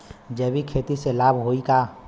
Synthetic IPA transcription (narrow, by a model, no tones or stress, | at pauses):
d͡ʒɛːbʱikʰet̪iselaːbʱɦoika